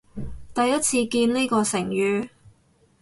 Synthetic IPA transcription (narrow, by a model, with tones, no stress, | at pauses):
t̪ɐ˨jɐ˥t̚t͡sʰiː˧kiː˧nli˥kɔː˧sɪ˨˩ŋjyː˨˧